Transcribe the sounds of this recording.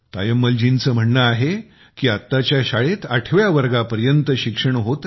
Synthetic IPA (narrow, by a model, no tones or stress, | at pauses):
t̪ajəmːəld͡ʑint͡səːm̤əɳːəaɦe | kiːat̪ːat͡ɕjaɕaɭet̪aʈʰʋjaʋəɾɡapəɾjənt̪əɕikʂəɳɦot̪